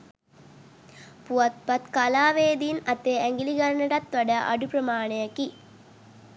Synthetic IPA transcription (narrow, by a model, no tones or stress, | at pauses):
puʋɐt̪̚pɐt̪kɐlaːʋeːd̪inɐt̪eæŋɡiliɡɐɾɐɳɐʈɐt̪ʋɐɖɐʔɐ̰ɖupɾɐmaːɳejɐki